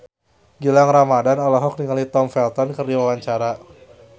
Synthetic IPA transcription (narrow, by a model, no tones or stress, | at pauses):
ɡilaŋramadanɔlɔɦɔk̚niŋalit̪ɔmfɛlt̪ɔnkərdiwawaɲt͡ʃaɾa